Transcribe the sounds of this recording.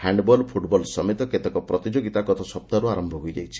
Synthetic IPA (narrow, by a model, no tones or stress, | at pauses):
haɳɖbɔlpʰuʈbɔlsɔmet̪ɔket̪ekɔpɾɔt̪id͡ʒoɡit̪akɔt̪ʰɔsɔp̚t̪aɾuaɾɔmbʱɔɦujd͡ʒa̰jt͡ʃʰi̥